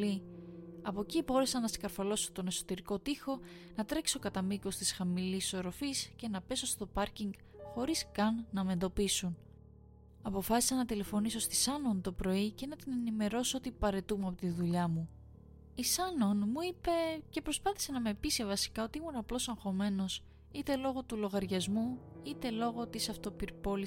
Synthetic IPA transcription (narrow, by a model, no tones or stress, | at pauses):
iɐpocibo̞ɾe̞sɐnɐsi̥kɐɾfɐlo̞sot̪o̞ne̞so̞t̪e̞ɾiko̞t̪ixo̞nɐt̪ɾe̞ksokɐt̪ɐmiko̞st̪isxɐmiliso̞ɾo̞fisce̞nɐpe̞so̞st̪o̞pɐɾciŋɡ | xo̞ɾiskɐnːɐme̞nd̪o̞pisun | ɐpo̞fɐsi̥sɐnɐt̪ile̞fo̞niso̞st̪i̥sɐno̞nt̪o̞pɾo̞ice̞nɐt̪ine̞nime̞ɾo̞soo̞t̪ipɐɾe̞t̪umeɐpot̪iðuʎɐmu | isɐno̞nmuipe̞ce̞pɾo̞spɐθi̥se̞nɐme̞pise̞vɐsi̥kɐo̞t̪iimunɐplo̞sɐŋxo̞me̞no̞s | it̪e̞lo̞ɣo̞t̪ulo̞ɣɐɾʝɐzmuit̪e̞lo̞ɣo̞t̪isɐft̪o̞piɾpo̞li